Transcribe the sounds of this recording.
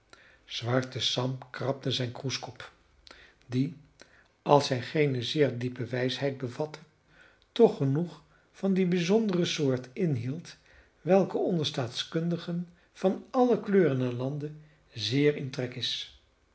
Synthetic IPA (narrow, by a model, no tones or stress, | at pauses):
z̥ʋɑɹtəsɑmkrɑp̚təzɛjnkruskɔp | di | ɑlˠsɦɛjχejnəzɪːɹdipəʋɛjsɦɛjd̚bəvɑtə | tɔχːənuχ | fɑndibizɔndərəsʊːɹtɪnɦilˠt | ʋɛlˠkəɔndəɹstaːtskɵndəχən | v̥ɑnɑləkløːrənaɹlɑndə | zɪːɹɪntrɛkɪs